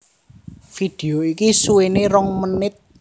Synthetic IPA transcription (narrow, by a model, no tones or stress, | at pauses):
fid̪̥eoikisuweneɾɔŋmənɪt̪̚